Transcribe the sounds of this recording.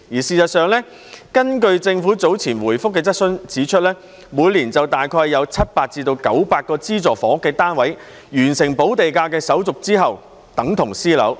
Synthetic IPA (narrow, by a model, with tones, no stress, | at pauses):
jiː˨˩siː˨˩sɐ˨t̚sœː˨˧ŋlɛː˥ | kɐ˥nkɵ˧ɥt͡sɪ˧ŋfuː˨˥t͡so˨˥wt͡sʰiː˨˩nwuː˨˩jfʊ˥kːɛː˧t͡sɐ˥t̚sɵ˥nt͡siː˨˥t͡ʃʰɵ˥t̚lɛː˥ | muː˨˧jliː˨˩nt͡sɐ˨wt̪aː˨jkʰɔː˧jːɐ˨˧wt͡sʰɐ˥t̚paː˧k̚t͡siː˧t̪o˧wkɐ˨˥wpaː˧t̚kːɔː˧t͡siː˥t͡sɔː˨˩fɔː˨˥kːɛː˧t̪aː˥nwɐ˨˥j | jyː˨˩nsɪ˨˩ŋpo˨˥wt̪e˨jkaː˧kɛː˧sɐ˨˥wt͡sʊ˨k̚t͡siː˥ɦɐ˨w | t̪ɐ˨˥ŋt̪ʰʊ˨˩ŋsiː˥lɐ̰˨˥w